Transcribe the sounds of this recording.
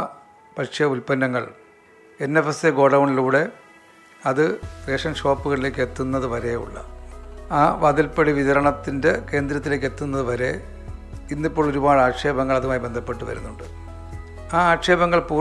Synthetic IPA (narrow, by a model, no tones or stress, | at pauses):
pɐkʂejɐulpɐnːɐŋːɐ̰ɭ | enːefeseɡo̞ːɽɐwɳɖiluːɽe̞ | ɐðɨreːʂɐnʂo̞ːpːuɣɐɭile̞ːkːe̞t̪ːunːɐðɨʋɐɾe̞ṵɭːɐ̰aːʋɐd̪ilpɐɽiʋiðɐɾɐɳɐt̪ːinde̞ke̞ːnd̪ɾɐt̪ːile̞ːk̬ːe̞t̪ːunːɐðɨʋɐɾe̞ | inːipːo̞ːɭoɾubaːɻaːkʂeːbɐŋːɐɭɐðumaːjibe̞nd̪ʱɐpːe̞ʈːuʋɐ̰ɾṵnːuɳɖɨ | aːaːkʂeːbɐŋːɐɭpuː